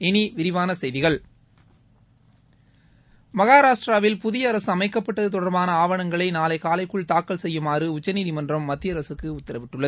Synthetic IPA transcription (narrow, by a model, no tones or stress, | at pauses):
ɪniʋɪɾɪʋaːnɐsɛjðɪɣɐɭ | mɐɣaːɾaːʂʈraːʋɪlpʊðɪjɐːɾɐsɯɐmɐɪkːɐpːɐʈːɐðɯt̪ɔɽɐɾbaːnɐaːʋɐɳɐŋɡɐɭɐɪnaːlɐɪkaːlɐɪkːɯɭt̪aːkːɐɭsɛjːɯmaːrɯʊt͡ʃːɐniːðimɐndrɐmːɐd̪ːɪjɐɾɐsɯkːɯʊt̪ːɐɾɐʋɪʈːɯɭːɐð